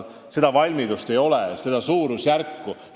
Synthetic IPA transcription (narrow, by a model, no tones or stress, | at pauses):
se̞d̪̥ɑvɑlʲmid̪ust̪e̞jo̞lese̞d̪̥ɑsuːɾusjærkːu